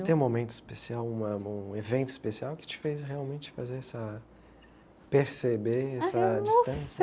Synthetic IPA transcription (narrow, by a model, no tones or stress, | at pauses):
t̪ẽj̃ũmomẽnt̪ʊispesiawũmɐũevẽnt̪ʊispesiawkɪ̥t͡ʃɪ̥fejsheawmẽnt͡ʃɪ̥fazeɾɛsɐ | peɾsebeɛsɐd͡ʒisst̪ɐ̃sjɐ